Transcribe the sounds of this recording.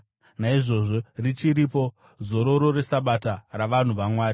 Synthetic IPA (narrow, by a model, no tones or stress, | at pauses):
naiʐo̞ʐo̞rit͡ʃiɾipo̞ | zo̞ɾo̞ɾo̞ɾe̞saɓataraʋan̤uʋamwaːɾi